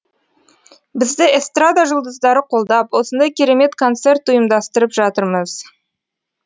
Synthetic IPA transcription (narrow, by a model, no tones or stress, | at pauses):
bɪzd̪ɪest̪rad̪aʒʊlˠd̪əzd̪ɑɾəqʰo̞lˠd̪ɑpwo̞sənd̪ɑjkʲʰeɾe̞me̞t̪kʰo̞nt̪se̞rt̪ʊjəmd̪ɑst̪əɾəpʒɑt̪əɾməz̥